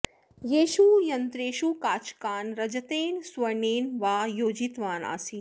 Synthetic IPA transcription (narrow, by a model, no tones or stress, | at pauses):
jeːʃujɐnt̪ɾeːʃukaːt͡ʃkaːnɾɐd͡ʒɐt̪eːnsʋɐɳeːnʋaːjoːd͡ʒit̪ʋaːna̰ːsi